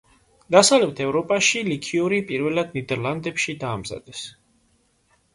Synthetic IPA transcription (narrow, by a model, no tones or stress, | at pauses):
d̪̥asavlɛp̚t̪ʰɛvɾɔpʼaʃilikʰiuɾipʼiɾvɛlad̪nid̪ɛɾland̪ɛpʃid̪aːmza̰d̪̥ɛs